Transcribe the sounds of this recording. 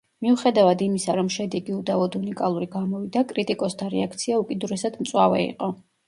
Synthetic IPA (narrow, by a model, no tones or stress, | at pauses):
miuχɛd̪avad̪imisaɾɔmʃɛd̪ɛɡiud̪avɔd̪unikʼalˠuɾiɡamɔvid̪akʼɾit̪ʼikʼɔst̪ʰaɾɛ̰akʰt̪sʰiaukʼid̪uɾɛsad̪mt̪sʼwavɛ̰ḭqʼɔ